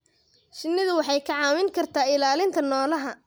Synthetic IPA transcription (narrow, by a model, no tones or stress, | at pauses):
ʃɪnːɪðʊwɑħɑjkʰɐʕɑːwɪŋkʰɐrt̪ʰaːɪlaːlɪnt̪ʰɐnɔːlɐɦɐ